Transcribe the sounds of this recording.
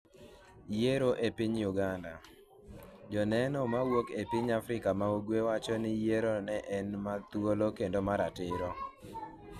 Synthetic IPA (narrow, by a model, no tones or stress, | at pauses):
jeɾoʔepiɲjuɡanda̰ | d͡ʒɔnɛnɔmawokepiɲafɾɪkamaoɡwewat͡ʃɔnɪjeɾonɛʔɛnmat̪wolokendomaɾatɪɾɔ